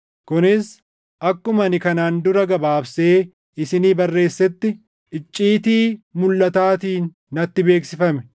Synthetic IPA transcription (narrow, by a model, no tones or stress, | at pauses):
kʊnɪs | ʔɐkːʊmɐnɪkɐnaːnd̪ʊɾɐɡɐbaːbse̞ː | ɪsɪniːbɐrːe̞ːsːɛt̪ːɪ | ɪt͡ʃʼːiːt̪iːmʊlːɐt̪aːt̪iːnː | ɐt̪ːɪbe̞ːksɪfɐmɛ̥